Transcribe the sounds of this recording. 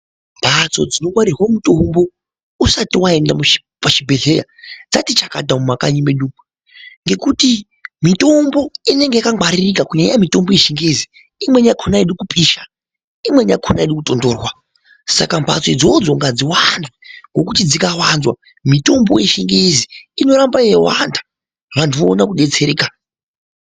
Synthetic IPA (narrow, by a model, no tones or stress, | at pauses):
mbʱat͡so̞d͡zino̞ɡwaɾirwamuto̞mbo̞ | usatiwae̞ndamu | paʃibʱe̞ɮe̞ja̰d͡za̰tit͡ʃakadamumakaɲimeɗuu | ŋɡe̞kuti | mito̞mbo̞ine̞ŋɡe̞jakaŋwaɾirikakuɲaijamito̞mbo̞jeʃiŋɡezi | imweɲakʰonaeɗukupʰʼiʃa | imwe̞ɲakʰonaeɗukuto̞ndoːrwa | sa̰kambʰʱa̰t͡sid͡zod͡zoŋɡad͡ziwanzweŋɡo̞kutid͡zikawanzwa | mito̞mbo̞jeʃiŋɡeziino̞ɾambajewandḁ | ʋantʰuʋo̰ːnakuɗe̞t͡se̞ɾeːka